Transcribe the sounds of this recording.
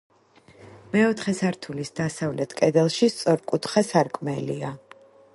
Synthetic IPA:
mɛɔt̪ʰχɛsaɾt̪ʰulisd̪asavlɛt̪ʰkʼɛd̪ɛlˠʃist̪sʼɔɾkʼut̪ʰχasaɾkʼmɛlia

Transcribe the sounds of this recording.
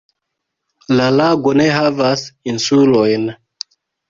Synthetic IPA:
lalaɡoneɦavasinsulɔjn

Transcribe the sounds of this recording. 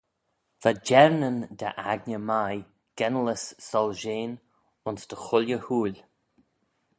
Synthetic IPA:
vad͡ʒɛɹnənd̪aʔaɡnəmaj | ɡ̥ɛnləsːɔlʒeːn | ʊnsd̪̥əxʊljəhuːlʲ

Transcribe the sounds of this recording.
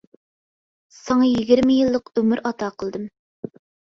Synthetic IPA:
sɑŋɑjiɡʲiɾmɪjilˠːəqømyɾɑt̪ʰɑqʰəlˠd̪ɨm

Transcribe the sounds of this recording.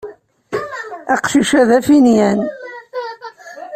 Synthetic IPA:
æqʃiʃæðæfinjæn

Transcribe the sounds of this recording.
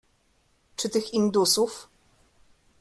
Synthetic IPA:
t͡ʂɘt̪ɘxind̪usuf

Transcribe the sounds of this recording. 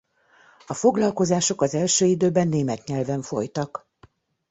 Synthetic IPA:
ɒfo̞ɡlɒlko̞zaːʃo̞kɒzɛlʃøːid̪øːbɛnːeːmɛt̪ɲɛlvɛɱfo̞̰jt̪ɒk

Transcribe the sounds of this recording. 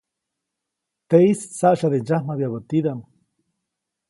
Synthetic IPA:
t̪eissaʔʃaðend͡ʒahmabjaβət̪id̪am

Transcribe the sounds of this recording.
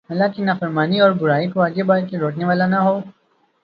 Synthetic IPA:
ɦɐlaːkinaːfəɾmaːniɔːɾbʊɾaːikʋaːd͡ʒebaːlkeɾoːʈneʋaːlanɐɦoː

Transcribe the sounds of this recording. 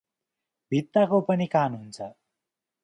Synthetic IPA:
bʱit̪ːakopʌnikanɦunt͡sʰʌ

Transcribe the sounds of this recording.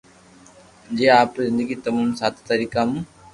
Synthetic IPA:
d͡ʑeːaːpzɪ̃nd̪əɡit̪ɐmuːmsaːt̪ʰt̪ɐɾiːkamũ

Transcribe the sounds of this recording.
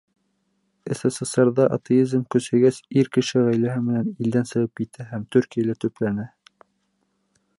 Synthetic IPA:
ɘ̆sɑsɑsɑɾðɑʔɑt̪eizmkɵ̆sæ̆ɡæsiɾkɘ̆ʃɘʁæjlæɦɘmɘ̆nænild̪ænsɤ̆ʁɤp̚kit̪æɦæmt̪ʉɾkijalæt̪ɵ̆plænæ

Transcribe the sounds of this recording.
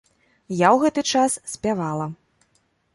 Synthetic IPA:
jawɣɛt̪ɨt͡ʂassʲpʲavalˠɐ

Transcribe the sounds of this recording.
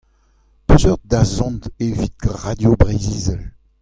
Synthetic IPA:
pøzœʁd̪azɔ̃ntevit̪̚ɡʁad̪jobʁeziːzɛl

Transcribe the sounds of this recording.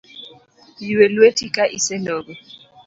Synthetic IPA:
jiwɛlwetʼikʼaʔisɛnɔːβɛ

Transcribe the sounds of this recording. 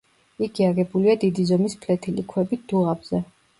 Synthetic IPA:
iɡʰiaɡɛbuliad̪id̪izɔmispʰlɛt̪ʰilḭkʰwɛbid̪̥uʁabz̥ɛ

